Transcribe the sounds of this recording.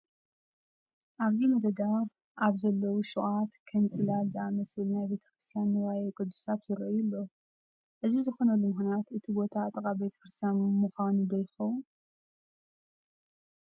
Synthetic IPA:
ʔaβzimɐd̪ɐd̪a | ʔaβzɐlːɐwuʃuʔat̪kʰɐnt͡sʼɨlalziamɐslulnajbe̞t̪ʰɐ̥kɾɨst̪ʰijanːɨwajɛkʼɨd̪ːusat̪jɪɾɐʔjulːo̞ | ʔɨzizɨxo̞nɐlːumɨxnjat̪ɨt̪ʰibo̞t̪ʰaːt̪ʼɐkʼabe̞t̪ʰɐ̥kɾɨst̪ʰijanmɨxanud̪ɐjxɐwu

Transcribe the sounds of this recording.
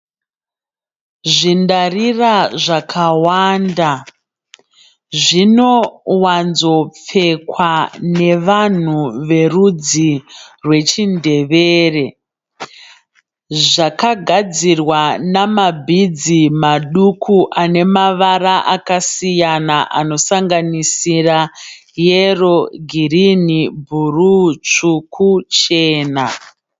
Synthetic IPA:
ʐindariraʐakʰawaːnda | ʐino̞wanzo̞p͡fe̞kwane̞ʋan̤uʋe̞rud͡zirwe̞t͡ʃinde̞ʋeːre̞ | ʐakaɡʱad͡zirwanamabʱid͡zimaɗukʰuʔane̞maʋaɾaʔakasijanaʔano̞saŋɡanisira | jero̞ɡʱirinibʱurut͡ʂukʰut͡ʃe̞ːna

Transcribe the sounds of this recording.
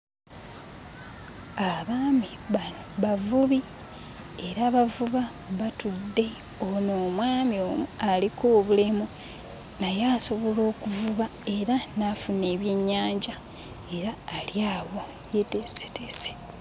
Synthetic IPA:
aβaːmi | a | βavuβi | eɾaβavuβa | βatudːe̞ | onoːmwaːmio̞ːmualikoːβulemu | najaːso̞βo̞lo̞ːkuvuβae̞ɾanafune̞ːβje̞ɲːaːɲɟa | e̞ɾaːljaːwo̞ | jetese̥tese̥

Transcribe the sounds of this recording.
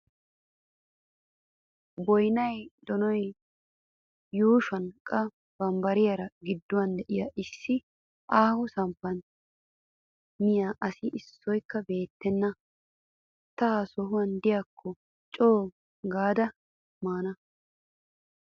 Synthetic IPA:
bɔjnɐjd̪ɔnɔj | juːʃɐnkʼɐ | b̥ɐmbɐɾɪjɐɾɐɡɪd̪ːʊwɐnd̪ɛʔɪjɐʔɪsːɪ | ʔaːhɔsɐmpːɐn | mɪjaːʔɐsɪʔɪsːɔjkːɐbe̞ːt̪ːɛnːɐ | t̪ɐsɔɦʊwɐnd̪ɪjakʰːɔ | t͡ʃʼoː | ɡaːd̪ɐ | maːnɐ

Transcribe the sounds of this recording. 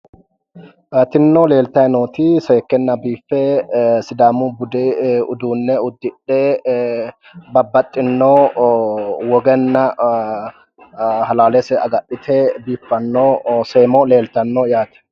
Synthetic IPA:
at̪ɪnːoːle̞ːlt̪ɐnoːt̪iseːkːɛnːɐbiːfːɛsɪd̪aːmubʊd̪ɛʊd̪uːnːɛʊd̪ːɪᶑːeː | bɐbːɐt̪ʼːɪnːoː | wɔɡɛnːɐ | hɐlaːlɛsɛɐɡɐɗɪt̪ʰeːbiːfːɐnːoːseːmole̞ːlt̪ɐnːoːjaːt̪ɛ̥

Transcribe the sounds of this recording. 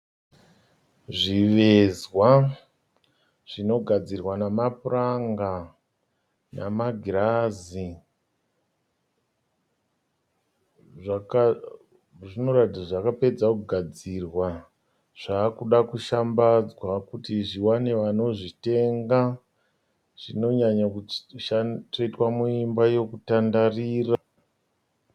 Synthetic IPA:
ʐiʋe̞zwa | ʐ̥ino̞ɡʱad͡zirwanamapuraŋɡa | namaɡʱirazi | ʐak | ʐino̞ratid͡zaʐakape̞d͡zakuɡʱad͡zirwa | ʐ̥aːkuɗakuʃambad͡zwakutiʐiwane̞ʋano̞ʐite̞ŋɡa | ʐ̥ino̞ɲaɲaʃatoitwamuimbajo̞kutandariːra

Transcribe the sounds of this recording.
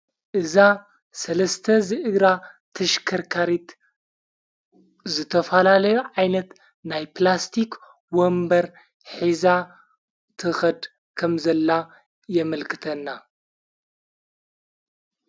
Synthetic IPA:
ʔɨza | sɐlɐst̪ʰɐzɨʔɨɡɾa | t̪ʰɐʃkʰɐɾkʰaɾit̪ | zɨt̪ʰɐfɐlalɐjuʕajnɐt̪ | najplast̪ʰik | wombɐɾ | ħiza | t̪ʰɨxɐd̪ | kʰɐmzɐlːa | jɛmɐlkʰɨ̥t̪ʰɐnːa

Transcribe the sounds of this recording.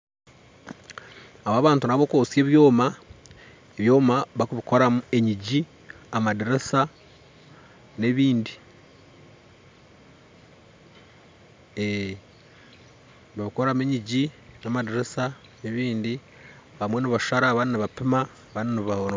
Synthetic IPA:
aβaːβaːntunaβokoːsje̞ːβjo̞ːma | eβjo̞ːmaβakuβiko̞ɾamueɲiɟi | amadiɾesa | ne̞βiːndi | e | βaβiko̞ɾameɲiɟinamadeɾesa | neβiːndi | βamweniβaʃʃaɾaβaniniβapima | βaniniβa

